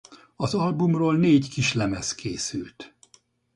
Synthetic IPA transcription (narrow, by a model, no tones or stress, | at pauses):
ɒzɒlbumroːlneːckiʃlɛmɛskʰeːsylt̪